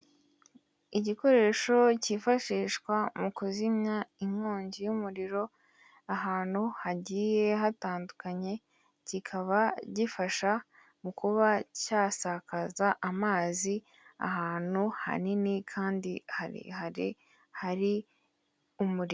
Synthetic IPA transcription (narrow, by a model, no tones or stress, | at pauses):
iɟiko̞ɾe̞ːʃo̞cifaʃiːʃkwamukuzimɲaiŋhoːɲɟijumuɾiɾo̞ | aɦaːn̥huhaɟiːje̞ɦataːndukaɲe̞ | cikʰaβaɟifaʃa | mukuβacaːsakazaʔamaːzi | a̰ɦaːn̥huha̰ninikʰaːndihaɾḭhaɾḭ | haɾi | umuɾio